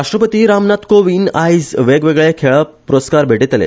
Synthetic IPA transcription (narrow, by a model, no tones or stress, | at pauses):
ɾaʂʈɾəpət̪iːɾamnat̪koʋinajzʋeɡʋeɡɭekʰeɭəpɾot̪skaɾbʱeʈet̪əlḛ